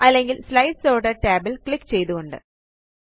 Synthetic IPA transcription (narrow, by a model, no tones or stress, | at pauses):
ɐlːe̞ŋɡilslɐjɖsoːɽɐʈeːbɐlkɭikːt͡ɕe̞jt̪uɣoɳɖɨ̰